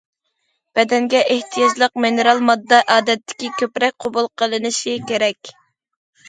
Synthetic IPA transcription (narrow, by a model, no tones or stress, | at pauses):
b̥ɛd̪ɛŋɡʲɛʔeht̪ʰijɑd͡ʒlˠəq̚menɨɾɑlˠmɑd̪ːɑʔɑːd̪ɛt̪ːɪ̥kʲikʲʰøpɾɛk̚ʲqʰobulˠqʰəlˠɨnɪʃikʲeɾɛkʲ